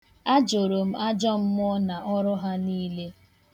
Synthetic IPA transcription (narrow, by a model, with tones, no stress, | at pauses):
a˦d͡ʒo˨ɾo˨m̩˦a˦d͡ʒɔ˦m̩˦m˦ɔ˦na˨ʔɔ˦ɾʊ˦ɦa˦niː˦le˦